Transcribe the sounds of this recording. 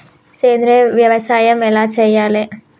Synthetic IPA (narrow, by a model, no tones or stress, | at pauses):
seːnd̪ɾeʋjɐʋɐsaːjɐmɛlaːt͡ʃɛjːaːle